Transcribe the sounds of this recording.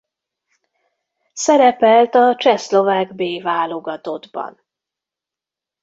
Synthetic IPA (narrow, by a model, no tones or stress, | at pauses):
sɛɾɛpɛlt̪ɒt͡ʃɛslo̞vaːɡbeːvaːlo̞ɡɒt̪o̞d̪bɒ̰n